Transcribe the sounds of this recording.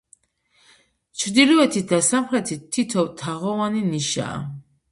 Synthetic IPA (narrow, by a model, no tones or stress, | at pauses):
t͡ʃʰɾd̪ilɔɛt̪ʰid̪asamχɾɛt̪ʰit̪ʰːit̪ʰɔt̪ʰaʁɔvaniniʃa̰ː